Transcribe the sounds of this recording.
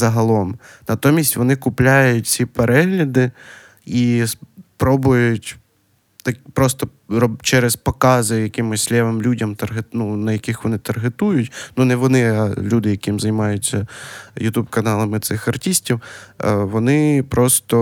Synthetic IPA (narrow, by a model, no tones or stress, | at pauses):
zɐɦɐlˠɔmnɐt̪ɔmʲisʲtʲʋɔnɪkʊplʲajʊtʲsʲipeɾɛɦlʲɐd̪ɪ | ispɾɔbʊjʊtʲ | t̪ɐkpɾɔst̪ɔ | rɔt͡ʃɛɾɛspɔkɑzɪjɐkɪmɪsʲlʲɛʋɪmlʲudʲɐmt̪ɐrɦetnunɐjɐkɪxʋɔnɪt̪ɐrɦet̪ujʊtʲnunɛʋɔnɪɐlʲud̪ɪjɐkɪmzɐjmɑjʊt͡sʲːɐjʊt̪ubkɐnɑlˠɐmɪt̪sɪxɐrtʲisʲtʲiwʋɔnɪpɾɔst̪ɔ